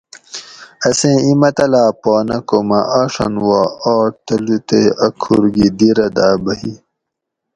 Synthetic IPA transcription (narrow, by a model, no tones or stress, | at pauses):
ɐsẽimɐt̪ɐlaːpoːnɐkomɐʔaːʂɐ̰nwaɔːɾt̪ɐlut̪eɐkʰːuɾɡid̪iɾɐd̪aːbɐɦi